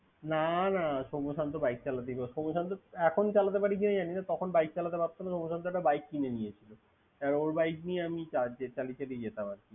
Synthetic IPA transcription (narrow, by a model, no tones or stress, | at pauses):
nanaʃomoʃant̪obajk̚t͡ɕalat̪eibaʃomoʃant̪̬oɛkʰont͡ɕalat̪̬epaɾikinad͡ʑaninat̪ɔkʰonbajk̚t͡ɕalat̪epap̚t̪onaʃomoʃant̪̬oɛʈabajk̚ːinenijet͡ɕʰilo | aɾoɾbajknieamit͡ɕad͡ʑet͡ɕalit͡ɕalid͡ʑet̪amaɾkʰi